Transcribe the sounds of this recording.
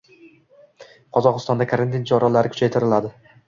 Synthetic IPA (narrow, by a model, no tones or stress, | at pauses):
qʰɒzɒqɨst̪ɒnd̪akʰaɾant̪ʰint͡ʃʰɒɾalaɾɪkʰʊ̥t͡ʃʰajt̪ʰɪɾɪlad̪ɪ